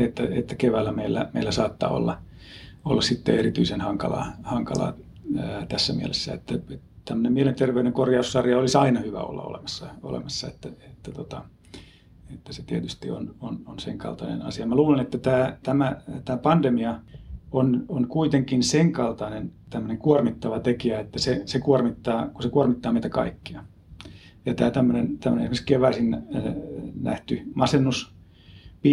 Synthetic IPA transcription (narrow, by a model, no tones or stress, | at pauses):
et̪ːæet̪ːækeʋæːlːæmeilːæ̰meilːæsɑːt̪ːɑ̰ːo̰lːɑ | olːɑssit̪ːḛerit̪yisenhɑŋkɑlɑ̰hɑŋkɑlɑ̰ː | t̪æsːæmiælesːæḛt̪ːæe | t̪æmːønemielent̪erʋeyɾeŋkorjɑusːɑrjɑolisɑinɑhyʋæ̰o̰lːɑ̰o̰lḛmɑsːɑo̰lḛmɑsːɑet̪ːæet̪ːæt̪ot̪ɑ | et̪ːæset̪iet̪yst̪ḭo̰nononsḛŋkɑ̰lt̪ɑ̰nḛnɑ̰siɑmæluːlenet̪ːæt̪æːt̪æmæt̪æːpɑnd̥̪emiɑononkuit̪eŋkinseŋkɑlt̪ɑnent̪æmːøneŋkuormit̪ːɑʋɑt̪ekiæet̪ːæsesekuormit̪ːɑːkusekuormit̪ːɑːmeit̪ækɑ̰ikːiɑ | jɑt̪æːt̪æmːønent̪æmːønḛnesimeskeʋæsin | næ̰ht̪ymɑsenːus | pi